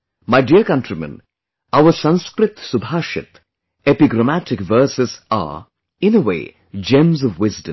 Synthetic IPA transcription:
maɪɖiəkʌ̃nʈɾimə̰̃n | aʊəsʌ̃nskɾɪt̪sʊbʱaːʃɪ̰t̪ | epiɡɾəmæʈɪkʋəːsɪza̰ | ɪ̃nəwḛː | d͡ʒẽmzɔʋːɪzdə̃m

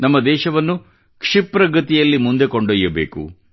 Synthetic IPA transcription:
nɐmːɐd̪ɛːʃɐʋɐnːu | kʂipɾɐɡɐt̪ijɐlːimund̪ekoɳɖojːɐbḛːkṵ

